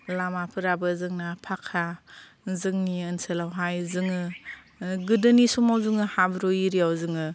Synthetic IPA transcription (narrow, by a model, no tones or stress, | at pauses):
lamapʰɯɾabɯzɯŋnapʰakʰːa | zɯŋniɯnselawɦajzɯŋɯ | ɡɯdɯnisumawzɯŋɯhabɾɔiɾijawzɯŋɯ